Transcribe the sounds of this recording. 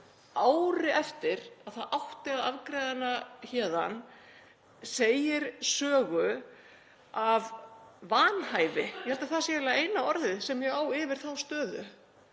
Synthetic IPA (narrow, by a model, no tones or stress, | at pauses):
aːwɾɪɛft̪ɪɾaðθaðʔawht̪ɪaðavkɾɛːðanaçɛːða̰n | seːjɪɾ̥sœːɣʏ | avːaːnhaːjvɪjɛhɛlt̪aθasjɛɛlaeːjnaɔɾðɪsɛmjɛɣaːwɪvɪɾ̥θawst̪œːðʏ̰